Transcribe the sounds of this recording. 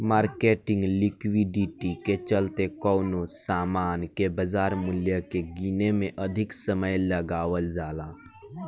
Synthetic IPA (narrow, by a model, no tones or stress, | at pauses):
maːɾkeʈɪ̃ŋɡlikwiɖiʈiket͡ʃəlt̪ekɔːnosaːmaːnkebəd͡ʒaːɾmuljəkeɡinemẽʔəd̪ʱɪksəməjləɡaːʋəld͡ʒaːlaː